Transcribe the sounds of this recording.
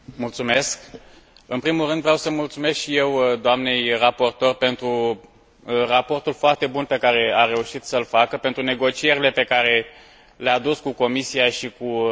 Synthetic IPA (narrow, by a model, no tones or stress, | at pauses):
mult̪sume̞sk | ɨnpɾimulrɨnd̪vɾeawsəmult̪sume̞skʃije̞wd̪oamne̞jrapo̞rt̪o̞rpe̞nt̪ɾu | rapo̞rt̪ulfoart̪e̞bunpe̞kaɾe̞aɾe̞uʃit̪səlfakəpe̞nt̪ɾune̞ɡo̞t͡ʃie̞ɾile̞pe̞kaɾe̞ | lead̪uskuko̞misiaʃiku